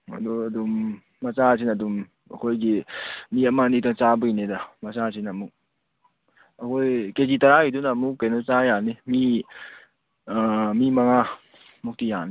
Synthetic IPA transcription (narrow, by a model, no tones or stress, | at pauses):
a̰dɔəd̪umː | at͡ʃasʰinad̪um | ə̰kʰojɡimiamanit̪ɔŋt͡ʃabɯjnedamat͡ʃasʰinamu | akʰojked͡ʒit̪aɾaid̪unamukenɔt͡ʃajanimi | amimaŋa | muk̚tijani